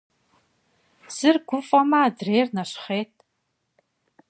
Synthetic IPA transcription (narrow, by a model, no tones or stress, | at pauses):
z̥ɨrɡʷʊfʼɐmadrejrnaʂχeːtʼ